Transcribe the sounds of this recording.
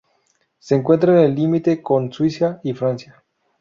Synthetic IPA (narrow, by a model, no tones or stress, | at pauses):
seːŋkwe̞nt̪̬ɾaenelːimit̪e̞ko̞nswisjaifɾansja